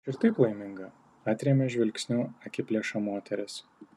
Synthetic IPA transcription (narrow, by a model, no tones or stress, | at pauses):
ɪɾt̪ɐɪplˠɐɪmʲɪŋɡɐ | ɑːt̪ʲɾʲeːmʲɛʒʲʋʲɛlʲksʲnʲuɐkʲɪpʲlʲeːʃɐmoːt̪ʲɛɾʲɪs